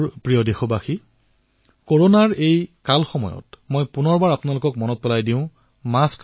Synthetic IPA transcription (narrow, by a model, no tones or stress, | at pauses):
pɹijɔdexobaxi | koɹonaɹejkalxɔmɔ̰jɔ̰tmojpunɔɹbaɹapnalʊkɔkmɔnɔt̚pɛlajdĩʊ̃ | mask